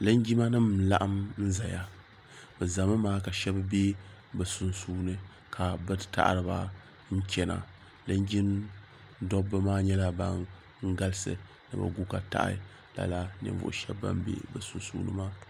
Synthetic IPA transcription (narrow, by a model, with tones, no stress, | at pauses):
lɨ˦n˦ɡi˦ma˦nɨ˦mla̰˦ʔa˦mn̩˦za˨ja˦ | bɨ˨za˨mɨ˦maː˦ka˨ʃɛ˦bbe˦bɨ˨su˨nsuː˦nɨ˦ | kʰa˨bɨ˦ta̰˦ʔɾɨ˨ba̰˦ | n̩˦t͡ʃʲɛ˦na̰˨ | lɨ˦nd͡ʒi˦n | dɔ˦bɨ˦maː˦ɲɛ˦la˦ba˦ŋ | ŋ̩˦ɡa˦lɨ˦sɨ̰˨ | nɨ˨ba̰˨ɡu˦ka˨ta̰˦ʔa̰˨˦˨ | la̰˨la˦nɨ̰˨ɱ˨vʊ̰˨ʔʊ̰˨ʃɛ̰˦bːa̰˦mbḛ˦bɨ˨su˨nsuː˦nɨ̰˦maː˦